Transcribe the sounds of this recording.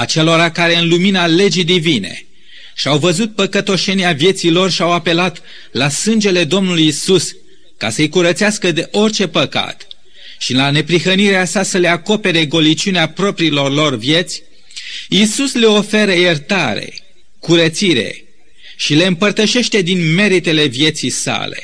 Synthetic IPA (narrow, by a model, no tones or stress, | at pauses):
at͡ʃe̞lo̞ɾakaɾe̞ɨnluminale̞d͡ʒid̪ivine̞̰ | ʃiawvəzut̪̚pəkət̪o̞ʃe̞niavje̞t̪silo̞rʃiawape̞lat̪ | lasɨnd͡ʒe̞le̞d̪o̞mnulujisus | ka̰səjkuɾət̪seaskəd̪e̞ʔo̞rʲt͡ʃe̞pəka̰t̪ | ʃilane̞pɾixəniɾeasasəleako̞pe̞ɾeɡo̞lit͡ʃuneapɾo̞pɾilo̞rlo̞rvje̞t̪sʲ | isusleo̞fe̞ɾəjert̪aɾe̞̰ | kuɾət̪siɾe̞̰ | ʃile̞ɨmpərt̪əʃe̞ʃt̪e̞d̪inme̞ɾit̪e̞le̞vje̞t̪sijsa̰le̞̰